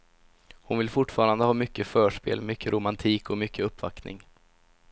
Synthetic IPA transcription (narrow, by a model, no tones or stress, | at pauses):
hʊnvɪlfʊʈːfɑːɾand̪əhɑːmʏkːəfœːʂpḛːlmʏkːəɾʔʊmant̪ʰiːkɔmʏkʰːəɵpːva̰knɪ̰ŋ